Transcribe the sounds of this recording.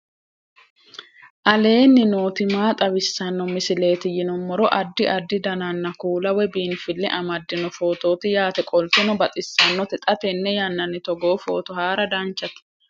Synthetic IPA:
ʔɐle̞ːnːɪno̞ːt̪ɪmaːt̪ʼɐwɪsːɐnːɔmɪsɪle̞ːt̪ɪjɪnɔmːɔɾɔʔɐd̪ːɪʔɐd̪ːɪd̪ɐnɐnːɐkuːlɐwɛbiːnfɪlːɛʔɐmɐd̪ːɪnɔfo̞ːt̪o̞ːt̪ɪjaːt̪ɛkʼɔlt̪ɪnɔbɐt̪ʼɪsːɐnːɔt̪ɛt̪ʼɐt̪ɛnːɛjɐnːɐnːɪt̪ɔɡo̞ːfo̞̰ːt̪ɔhaːɾɐd̪aːnt͡ʃːɐt̪ɪ̥

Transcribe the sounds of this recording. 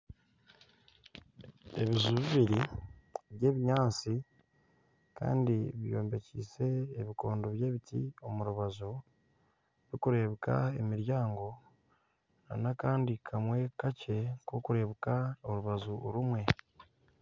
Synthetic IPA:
e̞̰βizuβiβiɾi | βje̞ːβiɲaːnt͡si | ka̰ːndiβijo̞ːmbe̞cḭːse̞ːβiko̞ːndoβje̞ːβitḭo̞muɾuβazu | βikuɾe̞βuka̰ḛmiɾjaːŋɡo̞ | na̰nakaːndikʰamwe̞kace̞kokuɾe̞ːβukaoɾuβazuɾumwe̞

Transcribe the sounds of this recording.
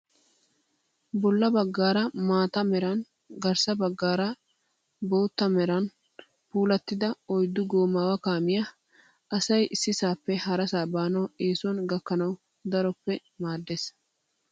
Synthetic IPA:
bɔlːɐbɐɡːaːɾɐmaːt̪ɐmɛɾɐn | ɡɐɾsɐbɐɡːaːɾɐ | bo̞ːt̪ːɐmɛɾɐn | puːlɐt̪ːɪd̪ɐɔjd̪ːʊɡoːmaːwɐkaːmɪjɐ | ʔɐsɐjʔɪsːɪsaːpːɛhɐɾɐsaːbaːnɐweːsʊɔnɡɐkːɐnɐw | d̪ɐɾɔpːɛ | maːd̪ːeːs

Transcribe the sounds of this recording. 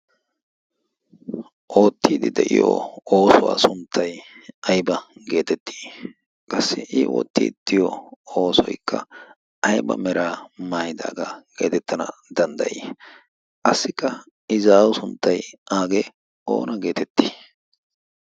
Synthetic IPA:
ʔo̞ːt̪ʰːiːd̪ɪd̪ɛʔɪ̰jo̰oːsʊwa̰ːsʊnt̪ʰːɐjɐjbɐɡe̞ːt̪ɛt̪ːi̥ː | kʼɐsːɪʔɪwɔ̰t̪ːḭɪt̪ʰːɪjɔo̞ːsɔjkːɐ | ʔɐjbɐ̰mɛɾaːmaːjɪd̪a̰ːɡaɡe̞̰ːt̪ɛt̪ːɐnɐd̪ɐnd̪ɐʔi | kɐsːɪkːɐ | ɪzaːwʊsʊnt̪ːɐjʔaːɡe | o̰ːnɐɡe̞ːt̪ɛt̪ːi̥ː

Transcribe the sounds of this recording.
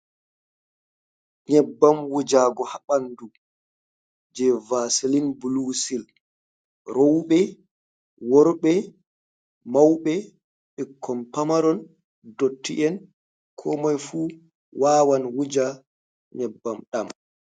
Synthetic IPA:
ɲɛbːamwud͡ʒaɡɔhaɓandu | d͡ʒɛvaːsilinbulusil | ɾɔwɓɛ | wɔɾɓɛ | mawɓɛ | ɓɛkʰːɔmpamaɾɔn | dotʰːiʔɛn | kʰɔmajfuː | waːwanwud͡ʒa | ɲɛbːamɗam

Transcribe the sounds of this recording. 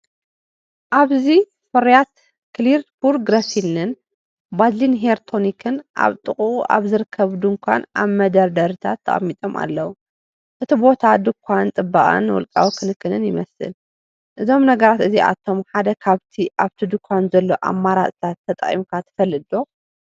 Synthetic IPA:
ʔaβzi | fɐɾijat̪ | kliɾt̪buɾɡɾɐsilɨn | bazlinɦeɾt̪ʰo̞nikʰɨnʔa̰βt̪ʼɨχʼuuʔa̰βzɨɾɨkʰːɐβd̪uŋkʷa̰nʔa̰βmɐd̪ɐɾd̪ɐɾɨt̪ʰat̪ʰːɐ̰χʼɐ̰mːit̪ʼo̞ma̰lːɐwu | ʔɨt̪ʰibo̞t̪ʰad̪ɨkʰʷːant̪ʼɨbːaʔʼa̰nːwɔ̰lkʼa̰wikʰɨnɨkʰːɨnɨnjɪmɐsɨ̰l | ʔɨzo̞mnɐɡɐɾat̪ɨziʔa̰t̪ʰo̞mħad̪ɐkʰaβt̪ʰiʔaβt̪ʰid̪ɨkʰʷːanzɐlːo̞ʔa̰mːaɾat͡sʼt̪ʰat̪ʰːɐt̪ʼɐχʼḭmkʰat̪ʰːɐ̥fɐlːɨd̪o̞

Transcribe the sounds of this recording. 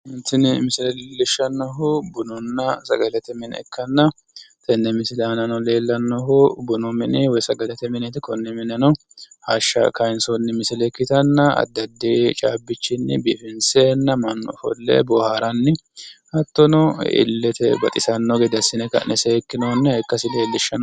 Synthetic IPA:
hɪnt̪ːɪnmɪsɪlɛlɪʃːɐnːɔɦʊbʊnɔnːɐsɐ̰ɡɐlɛt̪ɛmɪn̰ɛ̰kʰːɐnːɐ | t̪ɛnːɛmɪsɪlanɐnɔleːlːɐnːɔɦʊbʊnɔmɪnɪwɔjsɐɡɐlɛt̪ɛmɪnɛt̪kɔnːɛmɪnɛnɔ | haʃːɐ̰kɐjnsɔnːɪmɪsɪlɛkːɪt̪ɐnːɐɐ̰d̪ːɐd̪ːet͡ʃʼaːbːɪt͡ʃːɪnːɪ̰bifɪnseːnːɐmɐnːɔ̰fɔ̰lːḛbɔhaːɾɐnːɪhɐt̪ːɔnɔɪ̰lːɛt̪ɛbɐt̪ʼɪsɐnːɔɡed̪ɐsɪnɛkɐ̰nʔɛsekːɪnonːɐhɛkːɐsɪleːlːɪʃːɐn

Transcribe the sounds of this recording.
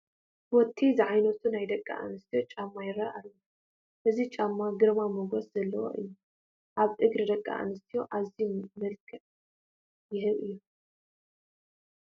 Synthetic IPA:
wɔt̪ʰːizɨʕajnɐt̪ʰunajd̪ɐkʼːa̰ʔa̰nɨst̪ʰijo̞t͡ʃʼamːajɪraalːu | ʔɨzit͡ʃʼamːaɡɨɾmamuɡosz̥ɐlːɐwo̰ʔɨjːu | ʔaβt̪ʼɨɡɾɨd̪ɐkʼːa̰ʔa̰nɨst̪ʰijo̞ʔaβzimɐlkʼʰɨʕ | jɪhɨβʔɨjːu

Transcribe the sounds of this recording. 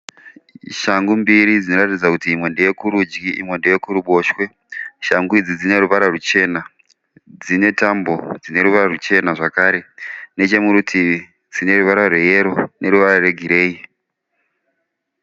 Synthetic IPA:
ʃaŋɡumbiɾid͡zino̞ratid͡zakutiːmwe̞ndejekuɾud͡ʒɡiʔḭmwe̞ndejekuɾuɓo̞ʃwe̞ | ʃaŋɡuid͡zid͡zine̞ɾuʋaɾarut͡ʃe̞na | d͡zine̞tambo̞̰d͡zine̞ɾuʋaɾarut͡ʃe̞naʐakaːɾe̞ne̞t͡ʃe̞muɾutʰi | d͡zine̞ɾuʋaɾarweje̞ɾo̞ne̞ɾuʋaɾare̞ɡʱiɾe̞ːi

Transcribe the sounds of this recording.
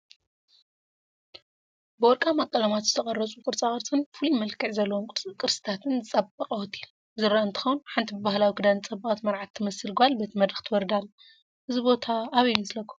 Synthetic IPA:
bɨwɔɾkʼamakʼːɐlɐmat̪zɨt̪ʰɐχʼɐrːɐt͡sʼukʼɨɾt͡sʼaχʼɐɾt͡sʼɨnfulimɐlkʰɨʕzɐlːɐwomkʼɨt͡sʼɨkʼɨɾsɨ̥t̪ʰat̪ʰɨnzɨt͡sʼɐbɐqʼɐwɔt̪ʰil | zɨɾːaɨnt̪ʰɨ̥xɐwnuħant̪ʰibɨbahlawikʰɨd̪annt͡sʼɐbːɐat̪mɐɾʕat̪ʰːɨmɐsɨlɡβalbɐt̪ʰimɐd̪ɾɨxt̪ʰwɔɾd̪alː | ʔɨzɨbo̞t̪ʰaːβijunslɐkʰːo

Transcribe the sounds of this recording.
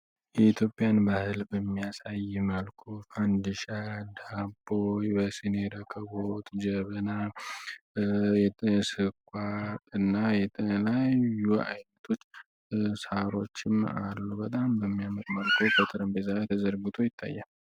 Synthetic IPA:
jɛit̪ʰjo̞pʼːijanbahɨlbəmːijasajːɪməlkʰufand̪ɨʃad̪abojbəsɨneɾəkʰːəβot̪ʼd͡ʒəβəna | jɛɛsɨkʷʼːaɨnːajɛt̪ʰʼəlajua̰jnət̪ʰo̞t͡ʃː | saɾo̞t͡ʃːɪma̰lːubət̪ʼambəmːijaməɾməlkʰʼufət̪ʼɨɾɨmbezalajt̪ʰəzəɾɡut̪ʰojɪt̪ʰːa̰jːal

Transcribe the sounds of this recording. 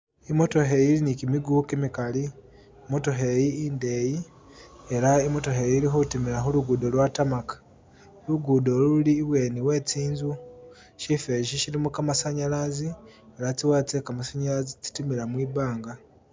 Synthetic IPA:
imo̞to̞ɦe̞jiɾinikimiɡukimikaliː | mo̞to̞ɦejiindeːji | eɾaimo̞to̞ɦejiɾixotimiɾaxuluɡuːdo̞lwatamakḁ | luɡudolululiːβwe̞ːniwe̞ːt͡siːnzu | ʃifeʃiʃiɾimukamasaɲalazieɾat͡siwat͡sekamasaɲaɾazit͡si̥timiɾamwiːβaːŋɡa

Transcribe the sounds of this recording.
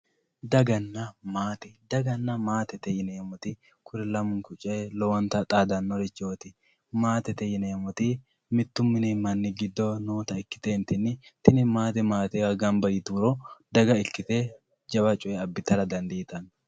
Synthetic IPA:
d̪ɐɡɐnːɐmaːt̪ɛd̪ɐɡɐnːɐmaːt̪ɛt̪ɛjɪneːmɔt̪ɪ | kʰʊɾɛlɐmʊŋkʊt͡ʃʼelɔwɐnt̪ɐt̪ʼaːd̪ɐnːɔɾɛt͡ʃːo̞ːt̪ɪ | maːt̪ɛt̪ɛjɪneːmɔt̪i | mɪt̪ːʊmːɪnimɐnːɪɡɪd̪ːɔnoːt̪ɐɪkːɪ̥t̪ent̪ɪnːɪt̪ɪnɪmaːt̪̬ɛmaːt̪ɛwɐɡɐmbɐjɪt̪uɾɔd̪ɐɡɐɪkːɪt̪e | d͡ʒɐbɐt͡ʃʼʊɛɐbːɪt̪ɐɾɐd̪ɐnd̪iːt̪ɐn

